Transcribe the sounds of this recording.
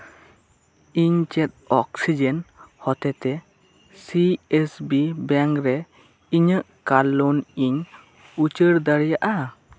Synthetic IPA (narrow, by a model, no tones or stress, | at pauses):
iɲt͡ʃɛt̪̚ɔksid͡ʒɛnhɔt̪ɛt̪ɛ | siesbibaŋkɾɛ | iɲəʔkalɔniɲ | ut͡ʃəɾd̪aɾijaʔa